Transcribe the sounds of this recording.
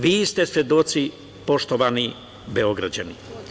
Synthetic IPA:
ʋiːst̪e̞sʋed̪o̞t̪si | po̞ʃt̪oʋani | beo̞ɡɾad͡ʑani

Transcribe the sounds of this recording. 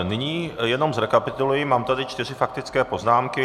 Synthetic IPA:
nɪɲiːjɛno̞mzɾɛkapɪt̪ulujimaːmt̪adɪt͡ʃt̪ɪr̝ɪfak̚t̪ɪt͡skɛːpo̞znaːmkɪ

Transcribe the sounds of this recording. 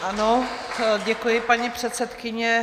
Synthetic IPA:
ʔanoɟɛkujɪpaɲipr̝̥ɛt̪sɛt̪kɪɲɛ

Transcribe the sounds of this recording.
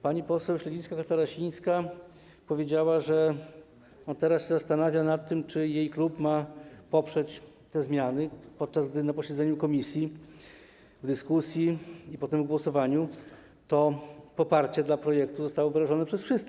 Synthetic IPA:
paɲipɔsɛwɕlɛit̪skakat̪aɾaɕĩj̃ska | pɔvʲjed͡ʑawaʐɛ | ɔnt̪ɛɾasɕɛzast̪anavʲjanat̪ːɘmt͡ʂɘjejklupmapɔpʂɛt͡ɕ | t̪ɛzmʲjanɘpɔt̪̚t͡ʂazɡ̚d̪ɘnapɔɕɛd̪zɛɲukɔmʲisʲji | vd̪ɘskusʲjiipɔt̪ɛmvɡwɔsɔvaɲu | t̪ɔpɔpaɾt͡ɕɛd̪lapɾɔjɛkt̪uzɔst̪awɔvɘɾaʐɔnɛpʂɛsfʂɘst̪kɛ

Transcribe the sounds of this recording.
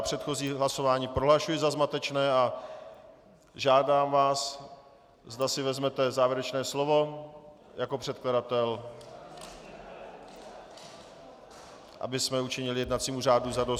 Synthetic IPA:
pr̝̥ɛt̪xo̞ziːɦlaso̞vaːɲiːpɾoɦlaʃujɪzazmat̪ɛt͡ʃnɛːa | ʒaːdaːmvaːs | zdasɪvɛzmɛt̪ɛzaːvjɪɛɾɛt͡ʃnɛːslo̞vo̞ | jako̞pr̝̥ɛt̪̚kladat̪ɛl | ʔa̰bɪsmɛut͡ʃɪɲɪlɪjɛdnat̪t͡siːmur̝aːduzados

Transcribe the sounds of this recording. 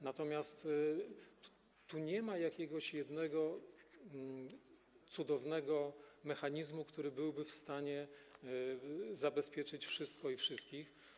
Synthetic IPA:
nat̪ɔmʲjast̪ | t̪ːuɲɛmajakʲɛɡɔɕjɛd̪nɛɡɔ | t̪sud̪ɔvnɛɡɔmɛxaɲizmukt̪uɾɘbɘwbɘfst̪aɲɛ | zabɛspʲjɛt͡ʂɘt͡ɕfʂɘst̪kɔifʂɘst̪̚kʲix

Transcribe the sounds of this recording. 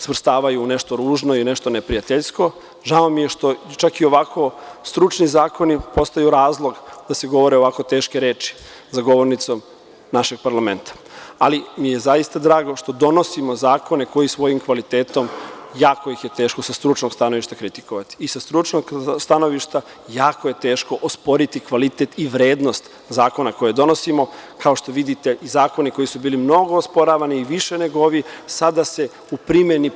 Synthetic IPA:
sʋr̩st̪aːʋajuːne̞ʃt̪o̞ɾuːʒno̞iune̞ʃt̪o̞nepɾijat̪eʎsko̞ | ʒaomːije̞ʃt̪o̞t͡ʃakio̞ʋakʰo̞st̪ɾut͡ʃnizaːko̞nipo̞st̪ajuɾaːzlˠo̞ɡd̪ase̞ɡo̞ʋo̞ɾeo̞ʋako̞t̪e̞ːʃkeɾeːt͡ʃi̥ | zaɡo̞ʋo̞ɾnit̪so̞m | naʃe̞ɡ̥̚paɾlame̞nt̪ḁ | alimije̞zaist̪ad̪ɾaːɡo̞ʃt̪o̞d̪o̞no̞simo̞zaːko̞ne̞ko̞jisʋo̞jimkʋalit̪e̞ːt̪o̞mjaːko̞jixje̞t̪eːʃko̞sast̪ɾut͡ʃnoɡst̪ano̞ʋiʃt̪akɾit̪i̥koʋat̪i̥ːsast̪ɾut͡ʃnoɡst̪ano̞ʋiʃt̪a | jaːkoje̞t̪e̞ːʃko̞ʔospo̞ɾit̪ikʋalit̪et̪iʋɾe̞ːd̪no̞st̪ | zaːko̞nako̞jed̪o̞no̞simo̞kao̞ʃt̪o̞ʋid̪it̪e̞ʔizaːko̞niko̞jisubiːlimno̞ɡo̞ospo̞ɾaːʋaniːʋiʃe̞ne̞ɡooʋisad̪ase̞ | upɾimeni

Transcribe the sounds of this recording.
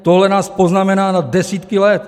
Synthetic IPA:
t̪oɦlɛnaːspoznamɛnaːnad̪dːɛsiːt̪kɪlɛt̪

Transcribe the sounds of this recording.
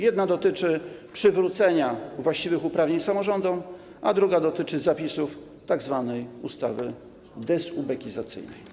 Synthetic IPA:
jɛd̪nad̪ɔt̪ɘt͡ʂɘpʂɘvɾut̪sɛɲavwaɕt͡ɕivɘxupɾavɲeɲsamɔʐɔnd̪ɔw | ʔad̪ɾuɡad̪ɔt̪ɘt͡ʂɘzapʲisuf | t̪aɡzvanɛjust̪a̰vɘ | d̪ɛsubɛkʲizat̪sɘ̰jnɛj

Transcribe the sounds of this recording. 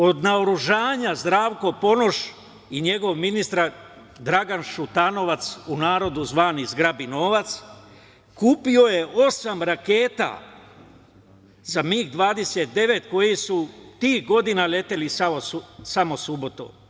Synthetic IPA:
o̞d̪naoɾuʒaːɲazd̪ɾaːʋko̞po̞no̞ʃ | iɲe̞ɡo̞ʋminist̪ɾa | d̪ɾaɡanʃut̪ano̞ʋat̪sunaːɾo̞d̪uzʋaːnizɡɾabino̞ːʋat̪s | kuːpio̞je̞ʔo̞samɾake̞ːt̪a̰ | zamiːxd̪ʋaːd̪e̞set̪̚d̪e̞ʋe̞t̪ko̞jisut̪iːhɡo̞d̪inale̞t̪e̞lisaousamo̞subo̞t̪o̰

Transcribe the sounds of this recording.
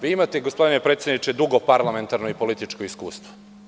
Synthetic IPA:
ʋiːimat̪eɡospo̞d̪inepɾet̪sʲjed̪nit͡ʃed̪uɡo̞paɾlame̞nt̪aɾnoipo̞lit̪it͡ʃkoiskṵːst̪vʋo̥

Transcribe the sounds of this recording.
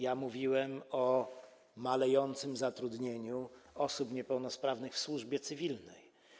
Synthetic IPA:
jamuvʲiwɛmɔ | malɛjɔnt̪sɘmzat̪ɾud̪ɲeɲuɔsupɲɛpɛwnɔspɾavnɘxfswuʐbʲjɛt̪sɘvʲilnɛj

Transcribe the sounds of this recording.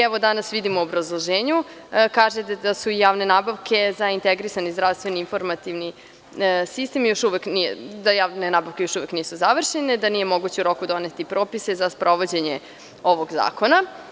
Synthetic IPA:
ɛʋod̪anasʋid̪imoːbɾazlˠoʒeːɲukaːʒet̪d̪asuijaːʋne̞naːbaʋkʰe̞zaint̪eɡɾisanizd̪ɾaʋst̪ʋe̞niinfo̞ɾmat̪iʋni | sist̪e̞mjo̞ʃuʋeknid̪ajaːʋnenaːbaʋke̞jo̞ʃuʋe̞kniːsuzaʋr̩ʃene̞d̪anije̞mo̞ɡut͡ɕeuɾo̞kud̪o̞net̪ipɾo̞ːpise̞zaspɾo̞ʋo̞d͡ʑe̞ɲe | o̞ʋoɡza̰ːko̞na

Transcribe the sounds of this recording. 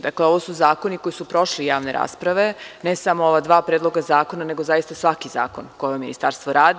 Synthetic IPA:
d̪akleo̞ʋosuzaːko̞niko̞jisupɾo̞ʃlijaːʋne̞ɾʔa̰ːspɾaʋe̞nesamooʋad̪ʋaːpɾed̪lˠo̞ɡazaːko̞nane̞ɡozajist̪asʋakiza̰ːkonkojeminḭst̪aɾst̪ʋoɾaːd̪

